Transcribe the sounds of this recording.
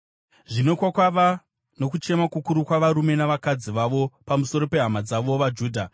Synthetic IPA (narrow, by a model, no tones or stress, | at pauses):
ʐino̞kwakwaʋa | no̞kut͡ʃe̞makukuɾukwaʋaɾume̞naʋakad͡ziʋaʋo̞pamuso̞ɾo̞pe̞ɦamad͡zaʋo̞ʋad͡ʒuːdʱa